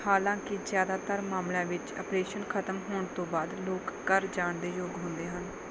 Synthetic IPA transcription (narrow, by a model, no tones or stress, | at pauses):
haːlãːkɪzjaːd̪aːt̪əɾmaːmlãːʋɪt͡ʃə̰pɾeːʃənkʰət̪əmɦoːɳt̪õːbaːd̪loːkːəɾd͡ʒaːɳd̪eːjoːɡɦʊnd̪eːɦən